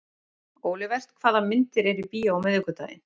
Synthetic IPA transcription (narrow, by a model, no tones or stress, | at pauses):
oːwlɪvɛr̥t̪kʰvaːðamɪnt̪ɪɾɛɾipiːjaawmɛðʏkʏt̪a̰ːjɪ̰n